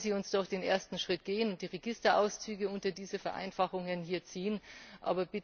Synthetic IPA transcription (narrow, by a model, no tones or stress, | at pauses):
ziːʊnsd̥ɔχd̥eːnʔḛːɐstn̩ʃʁ̥ɪtɡ̥eːənʊnt̚d̥iːʁeɡɪstɐʔa̰ʊst͡syːɡəʊntɐdiːzəfɛɐʔa̰ɪnfaχʊŋənhiːɐt͡siːənʔa̰ːbɐbɪt